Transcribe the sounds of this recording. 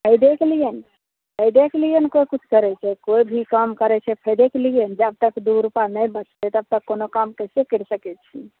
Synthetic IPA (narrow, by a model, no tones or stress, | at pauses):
ɦəjd̪eklijən | pʰəjd̪eklijənkojkut͡ʃʰkəɾɛt͡ʃʰɛkojbʱikəmkəɾɛt͡ʃʰɛpʰəjd̪ekliənd͡ʒəb̚t̪əkd̪uɾupanəjbət͡ʃʰt̪et̪əb̚t̪əkːonokamkəsekəɾsəkɛt͡ʃʰi